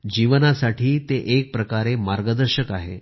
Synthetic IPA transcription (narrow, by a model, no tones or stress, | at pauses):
d͡ʑiʋənasaʈʰiːt̪eʔek̚pɾəkaɾemaɾɡəd̪əɾɕəkaɦḛ